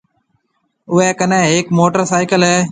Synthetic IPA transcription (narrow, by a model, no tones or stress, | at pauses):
ʊeːkənẽːeːkmoːʈəɾsaːɪkəlɦɛː